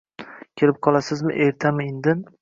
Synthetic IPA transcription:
kʲʰeɾɪp̚qʰɒlˠasɪzmɪ̰ʔeɾt̪ʰamɪend̪ɪn

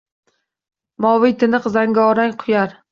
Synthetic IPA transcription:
mɒwɪjt̪ʰɪnɨqzaŋɡʲaɒɾaŋqʰʊjaɾ

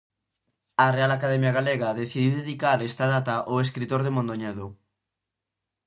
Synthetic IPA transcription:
ɐrealakaðɛmjaɣaleɣɐðeθiðiwðeðikaɾest̪ɐðat̪ɐʔoeskɾit̪oɾðemõnd̪oɲɛðo

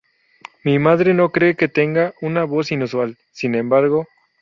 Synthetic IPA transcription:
mimaðɾe̞no̞kɾe̞ːke̞t̪e̞ŋɡaunaβo̞sinuswal | sinẽ̞mbaɾɣo̞

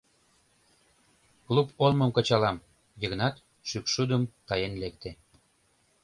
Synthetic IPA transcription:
klupolmə̆mkə̆t͡ɕɑlɑm | viɣnɑt̪ | ʃykʃud̪əmt̪ɑjenlek̚t̪e

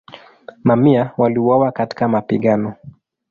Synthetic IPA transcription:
mamiawaliuwawakati̥kamapiɠanɔ

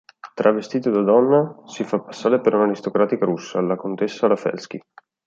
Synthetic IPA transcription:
t̪ɾʔavest̪iːt̪od̪ad̪ɔnːasifapːḁsːaːɾepeɾunaɾist̪okɾaːt̪ikaɾusːalakont̪esːalafɛ̰lsk̟i

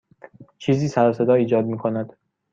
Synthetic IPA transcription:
t͡ʃʰiːziːsæɾɒse̞d̪ɒːiːd͡ʒɒːd̪̚miːkʰonæd̪̥

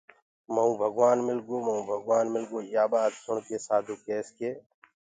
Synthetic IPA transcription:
mɐũːbʱəɡwaːnmɪlɡoːmɐɦũːbʱəɡwaːnmɪlɡoːjaːbaːd̪sʊɳkeːsaːd̪ʱuːkeːskeː

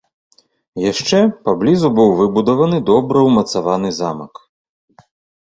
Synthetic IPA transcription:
jaʂt͡ʂɛpablʲizubɨwvɨbud̪ɐvɐnɨd̪ɔbɾɐwmɐt̪savanɨzamɐk

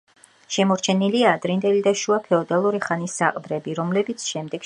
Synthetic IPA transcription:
ʃɛmɔɾt͡ʃʰɛniliaːd̪ɾind̪ʼɛlid̪aʃuapʰɛɔd̪alˠuɾiχanisːaqʼd̪ɾɛbiɾɔmlɛbit̪sʰʃɛmd̪ɛɡ̥

